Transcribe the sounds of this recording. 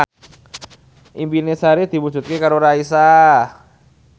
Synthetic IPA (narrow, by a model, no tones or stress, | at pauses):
ʔimbinesaɾid̪̥imu̥d͡ʒut̪̚kɪkaɾoɾaisa